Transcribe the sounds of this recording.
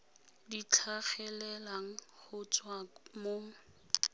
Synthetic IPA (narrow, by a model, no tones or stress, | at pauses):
dit͡ɬʰaχɛlɛlaŋ̩χʊt͡sʼwamo